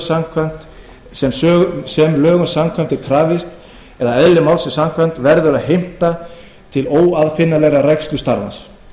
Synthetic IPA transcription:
samkʰvœn̥t̪ | sɛmsœsɛmlœːɣʏnsamkʰɛn̥t̪ɪɾkʰɾaːvɪst̪ | ɛðaɛðlɪmawlsɪsamkʰvɛn̥t̪vɛɾðʏɾaðɦejm̥t̪a | t̪ʰɪloːwaðfɪnːalɛɾarɛkst̪lʏst̪aɾva̰ns

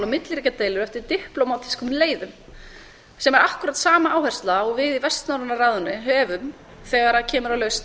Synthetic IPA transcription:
lʏmɪt̪lɪɾiːcat̪eːjlʏɾɛft̪ɪɾt̪ɪhplowmat̪ʰi̥skʏmleːjðʏm | sɛmɛɾahkʏɾat̪saːmaʔaːwhɛr̥st̪laɔɣvɪðivɛst̪nawɾvʏnːaraːðʏnːɪɦœːvʏm | θɛɣaɾacʰɛːmʏɾawlœːɥst̪

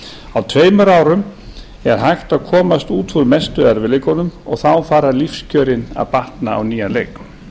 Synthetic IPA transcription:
awt̪ʰveːjmʏɾaːwɾʏm | ɛɾ̥ɦajxt̪aðkʰɔːmast̪uːt̪ʰvuɾmɛst̪ʏaɾvɪlɪkɔnʏmɔɣθawfaːɾalifscœːɾɪna̰ðpaht̪naa̰wniːalḛjk

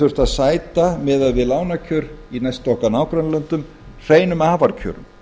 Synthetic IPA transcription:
ʏr̥t̪aðsaːjt̪amɛːðaðvɪðlaːwnacʰœːɾinajst̪ɔhkanaːwkɾanlœnt̪ʏm | r̥eːjnʏmaːvaɾcʰœ̰ːɾʏ̰m

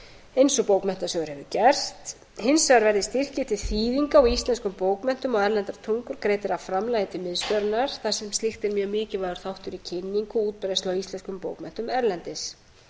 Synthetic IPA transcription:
ejnsɔpowkmɛn̥t̪asœːɣʏɾhɛvʏcɛr̥st̪ | hɪnsːɛɣaɾvɛɾðɪst̪ɪr̥cɪt̪ʰɪlθiːðiŋkawist̪lɛnskʏmpoːwkmɛn̥t̪ʏmɔɣɛɾlɛnt̪aɾt̪ʰuŋkʏɾkɾeːjt̪ɪɾawfɾamlajðɪt̪ʰɪlmɪðst̪œɾnaɾ̥θḁsɛmst̪lɪxt̪ɛɾmjœːɣmɪːcɪvaːðʏɾ̥θawht̪ʏɾicʰɪnːiŋkʏuːt̪̚pɪɾest̪awist̪ɛnskʏmpo̰ːwkmɛn̥t̪ʏmɛɾlɛnt̪ɪs

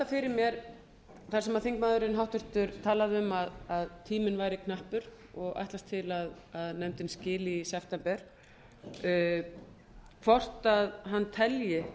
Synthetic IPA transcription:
afɪɾɪɾmjɛɾ | θḁsɛmaðθiŋkmaːðʏɾɪnɦawht̪ʏɾ̥t̪ʏɾt̪ʰaːlaðʏmaðaðt̪ʰiːmɪnvaːjɾɪkʰnahpʏɾ̥ | ɔɣa̰jht̪last̪ʰɪlað | aðnɛmt̪ɪnscɪːlɪisɛft̪ɛmpɛɾ̥ | kʰvɔr̥t̪aðɦanːt̪ʰɛljɪ

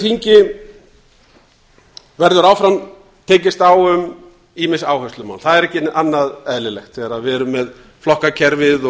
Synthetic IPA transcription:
θiɲcɪ | vɛɾðʏɾaːwfɾam | t̪ʰeːcɪst̪awʏm | iːmɪsaːwhœst̪lʏma̰ːwnθaðɛɾɛhcɪnʔanːaðɛðlɪlɛxt̪θɛɣɾaðvɛːɾʏmːɛð | flɔhkacʰɛɾvɪðɔ

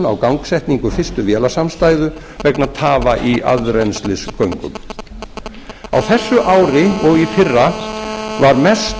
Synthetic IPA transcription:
na̰wkawŋksɛjht̪niŋkʏfɪrst̪ʏvjɛːlasamst̪aːjðʏ | vɛknat̪ʰaːvaʔia̰ðɾɛnslɪskʰœɥŋkʏ̰m | a̰wθɛsːʏʔaːwɾɪɔɣifɪrːa | vaɾmɛst

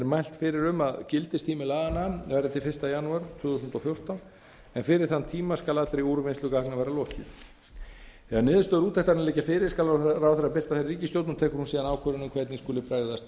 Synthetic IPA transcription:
ɛɾmajl̥t̪fɪɾɪɾʏmaðcɪlt̪ɪst̪ʰiːmɪlaɣananvɛjɾðɪt̪ʰɪlfɪrst̪ajanuaɾt̪ʰvʏːθusʏnt̪ɔfjowr̥t̪an | ɛnfɪɾɪɾ̥θant̪ʰiːmaskalat̪ɾeiuːɾʏvɪnsʏkahknavɛːɾalɔːhcɪð | ɛanɪːðʏst̪œːðɾuːt̪θɛht̪ːaɾnlɛːcafɪːɾɪɾ̥skalrawθaɾɾapɪr̥t̪aθajrriːcɪst̪jowt̪nt̪ʰɛːhkʏɾ̥hunsiːðanaːwkʰœɾʏnʏmkʰvɛt̪niskuːlɪpɾaːjððast̪

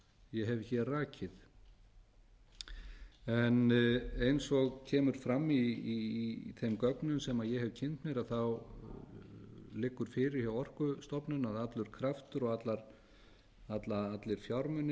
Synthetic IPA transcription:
jɛɦɛvçɛrraːcʰɪð | ɛnejnsɔɣcʰɛːmʏɾ̥fɾamːi | θejmkœknʏmsɛmaðjɛɦɛvcʰɪnt̪mjɛɾaðθaw | lɪkːʏɾ̥fɪːɾɪɾ̥hçawɔr̥kʏst̪ɔpnʏnaðat̪lʏɾ̥kʰɾaft̪ʏɾɔɣat̪laɾ | at̪laat̪lɪɾ̥fjawɾmʏnːɪ

